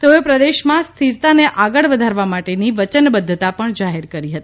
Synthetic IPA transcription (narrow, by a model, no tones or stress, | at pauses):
t̪eoepɾəd̪eʃmãst̪ʰiɾt̪aneʔaɡəɭʋəd̪ʱaɾʋamaʈeniʋət͡ʃənbəd̪ʱːət̪apəɳd͡ʒaɦeɾkəɾiɦət̪i̥